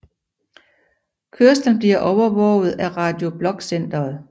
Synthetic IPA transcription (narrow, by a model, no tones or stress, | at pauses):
kʰøɐsd̥n̩b̥liɐ̰ʔɒʊɐʋɒʊð̞̩ˠæʁɑ̈d̥jo̝b̥lɒ̽ɡ̥sen̰d̥ɐːð̩ˠ